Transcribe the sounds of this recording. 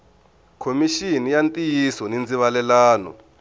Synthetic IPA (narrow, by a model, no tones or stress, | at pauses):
kʰomiʃinijantʼijisɔnind͡ziβalɛlaːnɔ̰